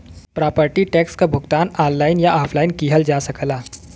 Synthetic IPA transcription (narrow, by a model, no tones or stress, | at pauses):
pɾaːpəɾʈiʈɛkskabʱʊɡt̪aːnaːnːaɪnjaʔaːpʰlaːinkiːɦəld͡ʒasəkəla